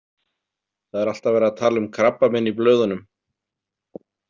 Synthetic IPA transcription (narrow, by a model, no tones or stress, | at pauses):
θaðɛɾal̥t̪avɛːɾaðt̪ʰaːlʏmkʰɾapːamɪnːiplœːɥðʏnʏm